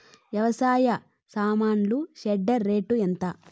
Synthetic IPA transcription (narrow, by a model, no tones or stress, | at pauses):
ʋjɐʋɐsaːjɐ | saːmaːɳluʃeɖːɐɾːe̞ːʈuent̪a